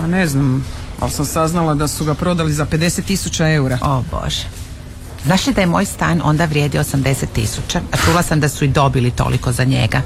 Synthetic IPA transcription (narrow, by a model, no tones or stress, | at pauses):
paneznama̰lsamsaznalˠad̪asuɡapɾo̞d̪alizaped̪e̞set̪ːisut͡ɕae̞uɾaobo̰ʒ̥e | znaːʃlid̪ajemo̞ːjst̪aːno̞̰nd̪aʋɾjed̪ioosamd̪e̞set̪ːḭsut͡ɕaat͡ʃuːlˠasamd̪asuid̪o̞bilit̪o̰lḭko̞zaɲe̞̰ɡa